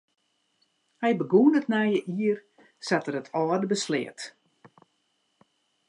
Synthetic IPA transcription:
hɛjbəɡuːnətnɛjəʔiər | satərətʰɔːədəbəslɪ̰ət

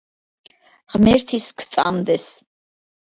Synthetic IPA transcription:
ʁmɛɾt̪ʰiskʰst̪sʼa̰md̪ɛs

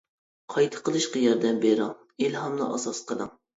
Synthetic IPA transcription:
qʰɑjt̪ʰə̥qəlˠɨʃqɑjɑɾd̪ɛmbeɾɑŋ | ilɦɑmlˠɑ̰ʔɑsɑsqəlˠɑ̰ŋ

